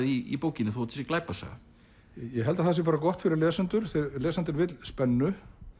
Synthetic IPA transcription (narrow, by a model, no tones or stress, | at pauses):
ðiḭpowcɪnɪθwot̪ʰɪ̥sɪklaːjpasa̰ɣa̰ | jɛɦɛlt̪aθɛs̬jɛpaːɾakɔht̪fɪɾɪɾlɛːsant̪ʏɾ̥θɪlɛːsant̪ɪɾvɪt̪lspɛnːʏ